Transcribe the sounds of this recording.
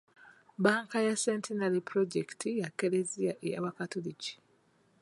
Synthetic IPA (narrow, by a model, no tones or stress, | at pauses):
baːŋkajasentʰenalipɾoɟektʰijakːe̞leziaʔeja̰βakatolici̥